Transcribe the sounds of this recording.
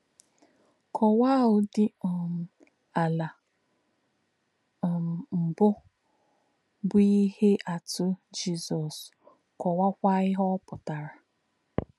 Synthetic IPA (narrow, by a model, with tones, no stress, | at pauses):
kʰɔ˨wa˦ɦʊ˨dɪ˦ɔ˨m̩˨ | a˨la˨ | m̩˨bʊ˦ | bʊ˦i˦he˦ʔa˨tʊ˦d͡ʒi˦˨zɔ˨s | kɔ˨wa˦kʷa˦ɪ˦ɦɔ˦pʊ˨ta˨ɾa˨